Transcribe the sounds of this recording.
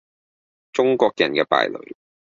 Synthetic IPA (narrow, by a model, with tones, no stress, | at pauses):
t͡sʊ˥ŋkʷɔː˧k̚jɐ˨˩nkɛː˧pa̰ː˨jlɵ̰˨ɥ